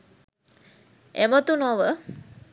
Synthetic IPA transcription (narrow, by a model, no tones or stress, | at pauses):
emət̪unɔʋə